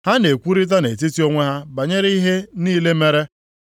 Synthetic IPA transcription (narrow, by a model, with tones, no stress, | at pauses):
ha˦ne˨kʷu˦ɾi˦t̬a˦ne˨ti˦ti˦o˦ŋʷe˦ɦa˦ba˨ɲe˦ɾi˦ɦe˦niː˦le˦me˦ɾe˦